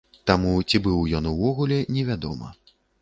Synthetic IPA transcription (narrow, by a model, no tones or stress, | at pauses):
t̪amut͡sʲibɨwjɔnuvɔɣulʲɛnʲɛvʲad̪ɔ̰mɐ̰